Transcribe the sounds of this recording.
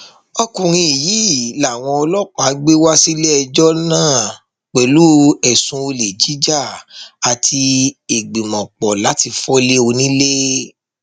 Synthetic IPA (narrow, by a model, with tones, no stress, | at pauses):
ɔ˧kũ˨ɾ̃ĩ˧i˨jiː˨˦˨la˨w̃ɔ̃˧ɔ˧lɔ˦k͡pã˨˦ɡ͡be˦wa˦si˦le˦ɛ˧d͡ʒɔ˦nãː˦˨ | k͡pɛ˨lu˨˦ɛ˨sũ˧o˧le˨d͡ʒi˨˦d͡ʒa˦˨a˨tʰi˧e˨ɡ͡bi˨mɔ̃˨k͡pɔ˨la˨˦ti˧fɔ˦le˦o˧nĩ˦le˦